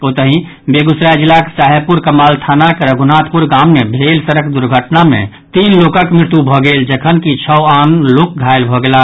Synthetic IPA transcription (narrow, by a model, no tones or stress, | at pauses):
ot̪əɦĩ | beɡusɾajd͡ʒilːake̥saɦəpuɾkəmaːlt̪ʰanakeɾəɡʱunat̪ʰpuɾɡamːebʱelsəɾəkd̪uɾɡʱəʈnamḛ̃ | t̪inlokəkmɾɪt̪jubʱɔɡeld͡ʒəkʰənkit͡ʃʰəanlok̚ɡʱaelbʱɔɡela